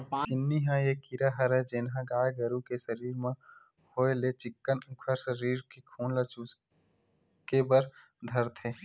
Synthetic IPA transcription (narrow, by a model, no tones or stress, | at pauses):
pãːɪnːiɦãjekiɾaɦəɾɦɛd͡ʒɪnɦãɡaːɡəɾukesəɾiːɾmẽ | hoːelet͡ʃɪkːənʊkʰəɾsəɾiːɾkikʰuːnlət͡ʃus | kebəɾ | d̪ʱəɾt̪ʰeː